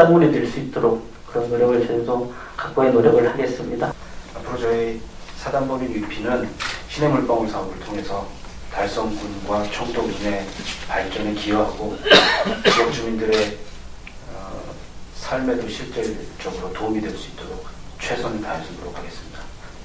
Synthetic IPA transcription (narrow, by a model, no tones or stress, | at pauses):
ambuɾidweɭs͈uit̚t͈oɾok̚ | k͈ɯɾʌnːoɾjʌɡɯɭt͡ɕedo | kak̚k͈uenoɾjʌɡɯɭhaɡe̞s͈ɯmɲida | apʰɯɾot͡ɕʌi | sʰadambʌbiupʰinɯnɕʰinɦeŋuɭp͈ʌŋuɭsʰaʌbɯɭtʰoŋe̞sʰʌ | taɭs͈ʌŋɡunɡwat͡ɕʰʌŋtʰoŋd͡ʑine̞paɭt͡ɕ͈ʌnekioɦaɡo | jʌk̚t͡ɕ͈umindɯɾe̞ | ʌ | sʰaɭme̞doɕʰiɭt͡ɕ͈e̞ɭt͡ɕ͈ʌɡɯɾotoumidwe̞ɭs͈uit͈oɾok̚t͡ɕʰwe̞sʰʌnɯɭtaaɭs͈ut͈oɾo̰kʰaɡe̞s͈ɯmɲida